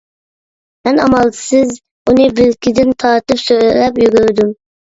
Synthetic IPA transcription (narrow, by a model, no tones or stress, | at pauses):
mɛnɑmɑlˠd̪ɨ̥sɨz | unɨbɪlkʲid̪ɪnt̪ʰɑɾt̪ɨpsøllɛpjyɡʲyɾd̪ym